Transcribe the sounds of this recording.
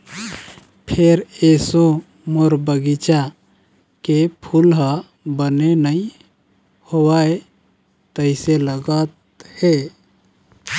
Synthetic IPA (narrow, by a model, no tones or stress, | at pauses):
pʰeɾeso | moɾbəɡit͡ʃa | kepʰulɦə | bənenəĩ | howae | t̪əɪseləɡət̪ | he